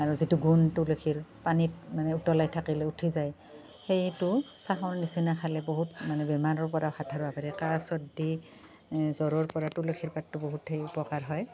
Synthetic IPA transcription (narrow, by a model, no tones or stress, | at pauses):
aɹuzituɡuntulekʰiɹpanit̚manɛutɔlajtʰakilɛutʰizaj | xejtʊsaɦɔɹnisinakʰalɛboɦutmanɛbɛmanɔɹpɔɹawxatʰaɹbapaɹɛkasɔdi | zɔɹɔɹpɔɹatulekʰiɹpatːuboɦutʰejupɔkaɹɦɔj